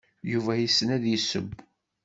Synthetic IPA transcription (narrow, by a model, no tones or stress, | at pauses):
juvæjisːənæðjəsə̰b